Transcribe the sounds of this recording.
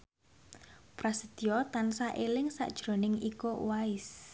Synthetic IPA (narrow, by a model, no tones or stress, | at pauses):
pɾasəd̪̥iɔt̪ansaʔelɪŋsa̰ʔd̥ʒ̥ɾo̤nɪŋikowaɪs